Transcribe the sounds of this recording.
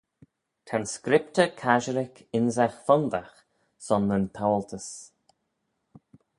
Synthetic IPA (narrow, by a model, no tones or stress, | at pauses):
t̪ʰanskɾɪpt̪əkʰaʒəɾɪkʰɪnzaxfɔnd̪ax | sɔnːəntʰawəlt̪ʰəs